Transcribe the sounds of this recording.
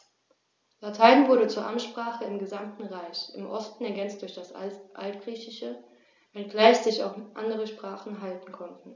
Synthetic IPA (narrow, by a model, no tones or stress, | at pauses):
latʰaɪnvʊɐɾət͡suːɐʔamʃpʁ̥aːχəɪmɡəzamtn̩ʁaɪçɪ̰mʔɔstn̩ɛɐɡɛnt͡st̚d̥ʊɐçd̥asʔa̰ltɡ̥ʁiːçɪʃə | vɛnɡ̥laɪçz̥ɪça̰ʊxʔa̰ndəʁ̞əʃpʁ̥aːχn̩ɦaltn̩kʰɔntn̩